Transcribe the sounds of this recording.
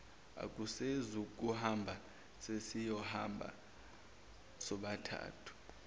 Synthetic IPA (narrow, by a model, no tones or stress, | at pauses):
a̰k̬ʼusezuk̬ʼuhambʱa | sesijɔha̰mbʱa̰ | sɔɓatʰa̰ːtʰu̥